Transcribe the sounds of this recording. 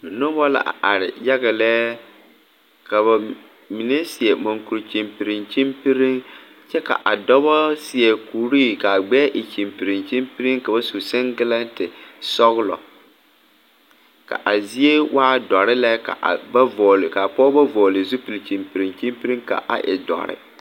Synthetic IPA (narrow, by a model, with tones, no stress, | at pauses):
dʊ˨nʊ˦bɔ˦la̰˨ʔa̰˨ʔa˨ɾɪ̰˨ja˦ɣa˨lɛː˦ | ka˨ba˨ | mi˨nɛ˦sɪ˨ɛ˨mo˨ŋku˨ɾt͡ʃi˨mpi˨ɾɪ˨nt͡ʃi˦mpi˦ɾi˦ŋ | t͡ʃɛ˦ka̰˨ʔa˨dɔ˦βɔ˦sɪ˨ɛ˨kuː˨ɾiː˦ka˨ɡ͡bɛː˦ʔɪ˨t͡ʃi˨mpi˨ɾi˨nt͡ʃi˦mpi˦ɾi˦ŋka˨ba˦su˨sɛ˦ŋɡɪ˦la˦ntɪ˨sɔ˦ɣʊ˦lɔ̰˨ | ka̰˨ʔa˨zi˦e˦wʔaː˦dɔ˨ɾɪ˦la˦ka̰˨ʔba˦vɔ˨lka˨pɔː˦ba˦vɔː˨lɪ˨zu˦pi˨lt͡ʃi˨mpi˨ɾi˨ŋt͡ʃi˦mpi˦ɾi˦ŋka̰˨ʔa̰˨ʔɪ̰˨dɔ̰˨ɾɪ̰˨